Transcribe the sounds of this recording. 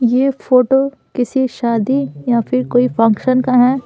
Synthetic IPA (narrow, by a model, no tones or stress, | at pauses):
jeːpʰoːʈo | kɪsiʃaːd̪ijapʰɪɾkoːipʰɐ̃ŋkʃənkaɦɛː